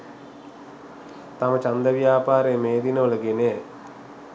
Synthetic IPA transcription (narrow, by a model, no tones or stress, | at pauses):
t̪ɐmɐt͡ʃɐnd̪ɐʋjaːpaːɾejəmeːd̪inəʋəlɐɡene